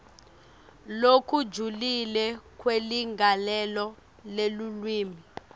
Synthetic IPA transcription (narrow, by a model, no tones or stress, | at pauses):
lokʰudd͡ʒʱulilɛkʰweliŋɡʱalɛlɔ | lelulwiːmi